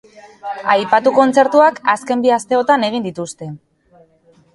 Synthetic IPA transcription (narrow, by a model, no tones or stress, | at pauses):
ajpat̪uko̞nt͡se̞ɾt̪uakaske̞mbiast̪e̞o̞t̪ane̞ɣ̞ind̪it̪ust̪e̞